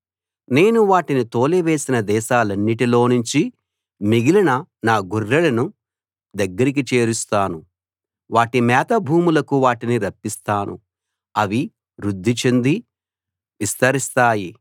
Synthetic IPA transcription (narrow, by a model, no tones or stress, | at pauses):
ne̞ːnuʋaːʈinit̪o̞ːleʋe̞ːsinɐd̪ɛːʃaːlɐnːiʈilo̞ːnuɲt͡ʃi | miɡilɐnɐnaːɡuɾːɐlɐnu | d̪ɐɡːɐɾik̬it͡ʃe̞ːɾust̪aːnu | ʋaːʈimɛːt̪ɐbʱuːmulɐkuʋaːʈiniɾɐpːist̪aːnṵ | ɐʋi | ɾud̪ʱːit͡ʃend̪i | ʋist̪ɐɾist̪aːji